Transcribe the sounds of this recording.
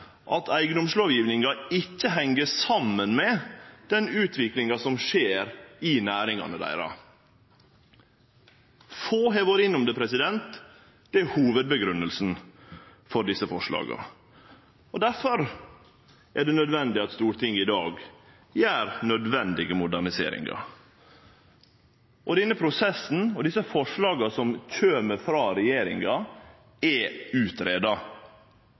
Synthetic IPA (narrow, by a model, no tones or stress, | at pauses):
ʔɑt̪ʰæɪɡənʊmʂloːʋjiːʋnɪŋɑɪcːəɦɛŋːəsɑmːənmɛd̪̥ɛnʉːt̪ʰʋɪklɪŋɑsɔmʃeːɾɪnæːɾɪŋɑ̰nəd̪æ̰ɪɾɑ̰ | foːɦɛʋoːɾɪnʊmd̪əpʰɾɛsɪd̪ɛnt̪ | d̪̥ɛæhuːʋəd̪̚bəɡɾʉnəlsn | fɔɖ̪ɪsːəfɔʂlɑ̰ːɡɑ̰ | ɔd̪æɾfɔɾ | ʔæɖɛnœd̪ʋɛnd̪ɪɑt̪st̪uːɾt̪ʰɪŋːɪd̪ɑːɡ | jæːɾnœd̪ʋɛnd̪ɪɡəmʊd̪æɳɪsḛːɾɪ̰ŋɡɑ̰ | ʔɔd̪ɛnːəpʰɾʊsɛsːn̩ɔd̪ɪsəfɔʂɭɑːɡɑsɔmçøːməfɾɑːɾɛjeːɾɪŋɑ | ɛʉːt̪ɾeːd̪ɑ